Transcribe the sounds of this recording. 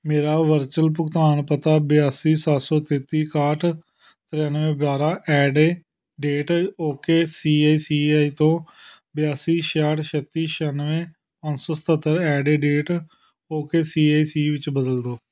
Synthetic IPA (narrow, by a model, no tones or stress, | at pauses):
meːɾaːʋəɾt͡ʃəlp̬ʊkt̪aːnpət̪aːbɪjaːsiːsasɔːt̪eːt̪iːkaːʈʰ | t̪ɪɾenʋẽːbaːɾãːʔɛːɖeː | ɖeːʈoːkeːsiːaːiːsiːaːiːt̪õː | bjaːsiːʃaːʈʃət̪ːiːʃənʋẽː | pənsɔːsə̥t̪ət̪ːəɾɛːɖeːɖeːʈ | oːkeːsiːaːiːsiːʋɪt͡ʃbəd̪əld̪oː